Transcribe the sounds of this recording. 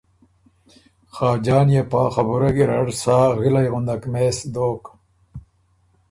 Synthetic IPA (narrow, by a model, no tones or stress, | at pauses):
xaːd͡ʑaːnjepaːxɐbuɾɐɡiɾɐɽsaːɣilɐjɣund̪ɐkmesd̪oːk